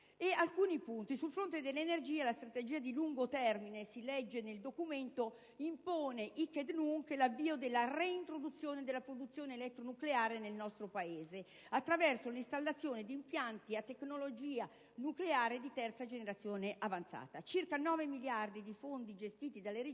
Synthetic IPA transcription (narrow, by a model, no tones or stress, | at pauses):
ealkuːnipunt̪isulfɾont̪ed̪elːenerd͡ʒiːalast̪ɾat̪ed͡ʒiːad̪iluŋɡot̪ɛrminesilɛd͡ʒːeneld̪okument̪o | impoːneʔiked̪nuŋkelavːiːod̪elːareint̪ɾod̪ut̪sːjoːned̪elːapɾod̪ut̪sːjoːneːlɛt̪ːɾonukleaːɾenelnɔst̪ɾopaeːze | at̪ːɾavɛrsolist̪alːat̪sːjoːned̪iːmpjant̪iat̪ːeknolod͡ʒiːa | nukleaːɾed̪it̪ɛrt̪sad͡ʒeneɾat̪sːjoːneʔavant̪sa̰ːt̪at͡ʃirkanɔːvemiljard̪id̪ifond̪id͡ʒest̪iːt̪id̪alːeɾ